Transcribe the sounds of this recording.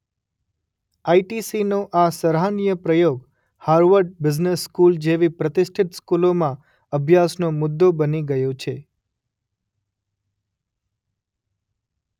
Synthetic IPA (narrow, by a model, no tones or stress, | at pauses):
aiʈisinoʔasəɾɦanijəpɾəjoɡ | haɾʋəɾɖ̚bɪd͡ʒnesːkuld͡ʒeʋipɾət̪ɪsʈʰit̪skulomã | əbʱjasnomʊd̪ːobəniɡəjot͡ʃʰe